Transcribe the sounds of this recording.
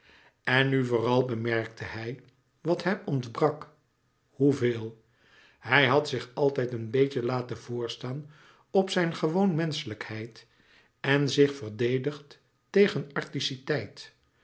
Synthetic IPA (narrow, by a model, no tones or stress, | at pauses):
ɛnːyvʊːrɑlˠbəmɛɹk̚tʰəɦɛj | ʋɑtɦɛmɔntbrɑk | huveːlˠ | hɛjɦɑtsɪχɑlˠtɛjtənbejcəlaːtəv̥ʊːɹstaːn | ɔpsɛjnχəʋownmɛnsələkhɛjt | ɛnzɪχfəɹdejdəχtː | ejχənɑɹtisitɛjt